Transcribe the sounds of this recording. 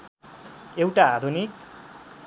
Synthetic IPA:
ewʈaad̪ʱunik

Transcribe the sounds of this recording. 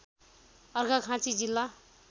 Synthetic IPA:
ʌrɡakʰãt͡sid͡zilːa

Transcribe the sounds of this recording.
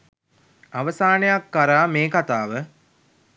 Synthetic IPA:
aʋəsaːnejakːaɾaːmeːkat̪aːʋə

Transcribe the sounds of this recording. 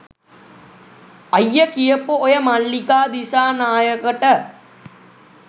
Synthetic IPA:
ɐjːəkijəpuojɐmɐɭːikaːd̪isaːnaːjəkəʈə

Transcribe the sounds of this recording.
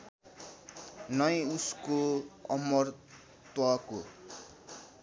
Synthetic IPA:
nʌjuskoʌmʌr | t̪wʌko

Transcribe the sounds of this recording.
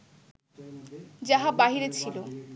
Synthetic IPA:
d͡ʑaɦabaɦiɾet͡ɕʰilo

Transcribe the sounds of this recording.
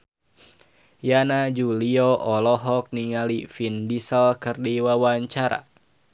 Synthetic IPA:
janad͡ʒuliɔʔɔlɔɦɔk̚niŋalifindisəlkɨrdiwawaɲt͡ʃaɾa̰

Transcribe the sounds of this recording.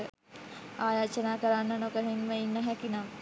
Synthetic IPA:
ə | aːjaːt͡ʃɐnaːkɐɾanːɐnokəɾenməinːɐɦɛkinam

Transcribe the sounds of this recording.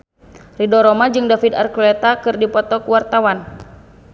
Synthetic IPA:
ridɔɾɔmad͡ʒɨŋdafida̰rkulet̪akɨrdipɔt̪ɔkuwart̪awan

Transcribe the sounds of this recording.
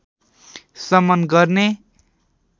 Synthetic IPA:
sʌmʌnɡʌrne

